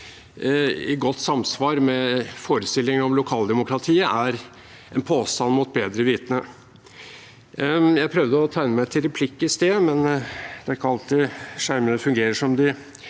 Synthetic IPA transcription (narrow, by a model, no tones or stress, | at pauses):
ɪ̰ɡɔt̪ːsɑmsʋɑːɾmɛfoːɾəst̪ɪlːɪŋɔmlʊkʰɑːld̪ɛmʊkɾɑt̪ʰiːəʔæɾ | ɛnpʰoːst̪ɑnmʊt̪̚beːd̪ɾəʋiːt̪ənə | jæɪpʰɾœʋd̪əɔt̪ʰæɪnəmæɪt̪ʰːɪlɾɛpʰlɪkːəst̪eːmɛnd̪̥ɛæɾkɑlt̪ɪʂæɾmənəfʉŋɡeːɾəʂɔmd̪ɪ